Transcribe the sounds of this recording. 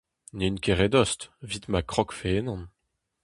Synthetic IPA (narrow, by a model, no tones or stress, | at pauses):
neynkeʁed̪ɔst̪vit̪makχɔkfeenɑ̃n